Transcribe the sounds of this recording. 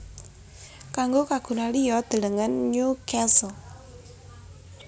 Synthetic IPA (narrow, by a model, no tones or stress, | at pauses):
kaŋɡokaɡ̥ṳnalijɔd̪̥ə̤ləŋənɲukɛsl